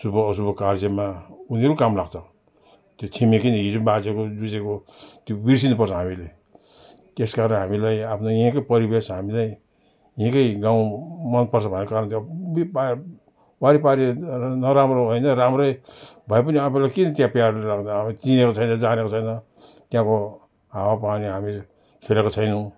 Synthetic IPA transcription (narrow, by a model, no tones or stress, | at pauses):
subʌːs̬ubokaɾd͡zʌmauneɾukamrakʰt͡sʰʌ | t̪jot͡sʰimekinʌid͡zubad͡zekod͡zud͡zekot̪jobiɾs̬inupʌrsʰʌɦamilej | t̪eskaɾnɦamilajapʰnojẽkʌjpʌɾibesɦamilaj | jẽkʌjɡãw̃mʌnpʌrsʰʌbʱʌnːekaɾnt̪jobipa | waɾipaɾenʌɾamɾoɦojnʌɾamɾʌjbʱʌjpʌniʌpʰelakinʌt̪jãpjarɾakʰnʌamit͡sinekot͡sʰʌjnʌd͡zanekot͡sʰʌjnʌ | t̪jãko | ɦawapaniɦami | kʰelekot͡sʰʌjnu